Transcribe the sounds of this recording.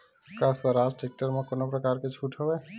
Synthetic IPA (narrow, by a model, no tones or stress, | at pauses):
kasbaɾasʈek̚ʈəɾmakonɔpɾɔkaɾket͡ʃʰuʈʰɦɔbɛ